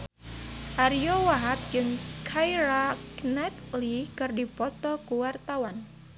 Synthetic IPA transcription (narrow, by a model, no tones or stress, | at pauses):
ʔaɾijɔwaɦat̪̚d͡ʒɨŋkʰajɾaknɛt̪likɨrdipɔt̪ɔkuwart̪awan